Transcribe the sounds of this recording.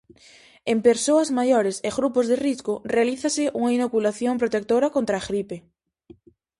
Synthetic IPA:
empeɾsoɐzmajoɾeseɣɾupozðeriskorealiθasɪʔuŋainokulaθjompɾot̪ek̚t̪oɾakont̪ɾaːɣɾipe

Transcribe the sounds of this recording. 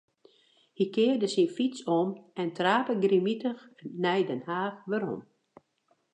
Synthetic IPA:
hikɪːrdəsifitsomɛntraːpəɡrimitəxnɛjdɛnhaːxʋəɾo̰m

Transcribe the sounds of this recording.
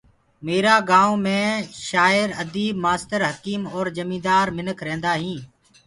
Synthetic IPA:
meːɾaːɡãːõːmẽːʃaːɪɾəd̪iːbmaːst̪əɾɦəkiːmɔːɾd͡ʒəmĩːd̪aːɾmɪnəkʰɾẽːnd̪aːɦĩː

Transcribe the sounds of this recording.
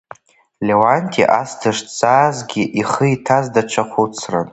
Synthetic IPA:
lewantʰḭʔastʰɨʂt͡sʼaːzɡʲiʔiχəitʰazdaʈ͡ʂʰaχʷut͡sʰra̰n

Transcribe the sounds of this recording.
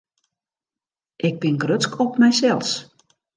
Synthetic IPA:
ʔɪɡ̚bɪnɡrøt͡skʰɔpmɛjsɛlˠs

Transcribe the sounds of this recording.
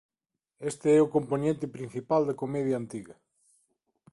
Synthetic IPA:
est̪ɪɛʊkomponẽnt̪ɪpɾĩn̟θipald̪ɐkomɛðjɐːnt̪iɣɐ

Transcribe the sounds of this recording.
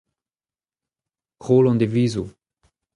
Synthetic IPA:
ʁolɔ̃nd̪eviːzu

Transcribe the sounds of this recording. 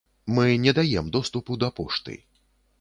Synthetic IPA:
mɨnʲɛd̪ajɛmd̪ɔst̪upud̪ɐpɔʂt̪ɨ̰j

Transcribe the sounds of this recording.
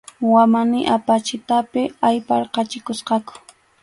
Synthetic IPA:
wamanɪʔapat͡ʃɪt̪apɪajpɑɾqɑt͡ʃɪkʊsqɑkʊ̥

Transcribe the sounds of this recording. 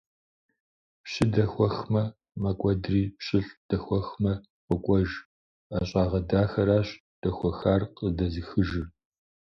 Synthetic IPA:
pɕɪdɐxʷɔxmɐ | mɐkʷʼɔdriːpɕɪɬd̥ɐxʷɔxmɐ | qʷʼɔkʷʼɔʒ | aɕʼaːʁɐdaːxɐɾaːɕ | d̥ɐxʷɔxaːrqədɐzixɨʒɪr

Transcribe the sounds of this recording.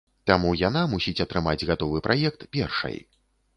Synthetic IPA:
t̪amujanamusʲit͡sʲɐt̪ɾɨmad͡zʲɣat̪ɔvɨpɾʔajɛk̚t̪pʲɛ̰rʂɐ̰j

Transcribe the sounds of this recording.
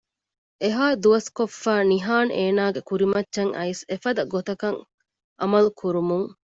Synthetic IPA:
ʔeɦaːd̪uʋɐskofːæːniɦaːneːnaːɡekuɾimɐtːʃɐŋʔɐ̰isefɐd̪ɐɡot̪ɐkɐŋ | ʔɐmɐlukʰuɾumuŋ

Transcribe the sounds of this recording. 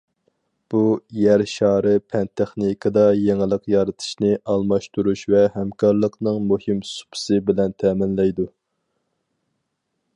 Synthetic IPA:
b̥ujæɾʃɑːɾɨpʰɛnt̪ʰɛχnɨkʰɨd̪ɑjeŋɨlˠəqjɑɾɨt̪ʰɨ̥ʃnɨʔɑlˠmɑʃt̪uɾuʃvɛhɛmkʰɑɾlˠəqnɨŋmuhɨmsu̥pʰɨ̥sɨbɪlɛnt̪ʰɛːmɪnlɛjd̪u

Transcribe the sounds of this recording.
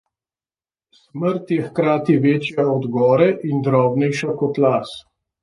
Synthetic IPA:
sməɾt̪jɛxkɾaːt̪iʋeːt͡ʃjaɔd̪ɡɔːɾɛʔind̪ɾɔːbnɛjʃakɔt̪laːs

